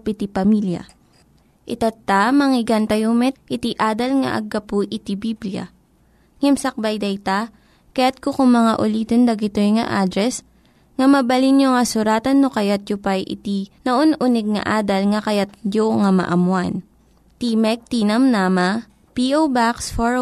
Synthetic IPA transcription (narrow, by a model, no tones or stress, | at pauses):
pɪt̪ipɐmiljɐ̰ | ʔɪt̪at̪ːamɐŋɪɡant̪ɐjomɛt̪̚ʔɪt̪iʔaːd̪ɐlŋɐ̰ʔɐ̰ɡːɐpuʔɪt̪ibibljɐ̰ | ŋɛmsɐk̚bɐjd̪ɐjt̪a | kɐjat̪̚kokʊŋmɐŋaʔʊliːt̪ond̪ɐɡɪt̪ojŋɐ̰ʔaːd̪ɾɛs | ŋɐmɐbɐlinjoŋɐsʊɾaːt̪ɐnːokɐjat̪̚jʊpajʔɪ̰t̪inɐʔonʔʊnɛɡ̚ŋɐ̰ʔaːd̪ɐlŋɐkɐjat̪̚d͡ʒjoŋamɐ̰ʔɐmwan | t̪imɛk̚t̪inɐmnaːmɐ | piʔowbaksfo